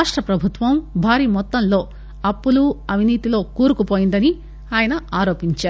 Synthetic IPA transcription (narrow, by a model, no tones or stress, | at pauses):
ʂʈɾɐpɾɐbʱut̪ʋɐmbʱaːɾiːmɔt̪ːɐmlo̞ː | ɐpːuluɐʋ̤iniːt̪ilo̞ːkuːɾukupoːjind̪ɐni | aːjɐnɐaːɾo̞ːpiɲt͡ʃaːɾ